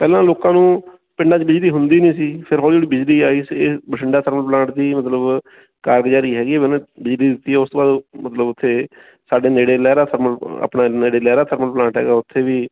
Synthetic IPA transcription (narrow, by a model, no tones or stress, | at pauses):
pɛːlãːloːkãːnũː | pɪɳɖãːt͡ʃbɪd͡ʒliːɦʊnd̪iːnĩːsiːpʰɪɾɦɔːld͡ʒeːɽiːbɪd͡ʒliːaːiːseːbəʈʰɪɳɖaːt̪ʰəɾməlplãːɳʈd̪iːmət̪ləb | kaːɾɡd͡ʒaːɾiːɦɛːɡiːɛːɪnãːbɪd͡ʒliːd̪ɪt̪ːiːɛːʊst̪õːbaːd̪mət̪ləbʊt̪ʰːeː | saːɖeːneːɽeːlɛːɾaːt̪ʰəɾməla̰ːpɳãːneːɽeːlɛːɾaːt̪ʰəɾməlplãːɳʈɦɛ̰ːɡaːʊt̪ʰːeːʋiː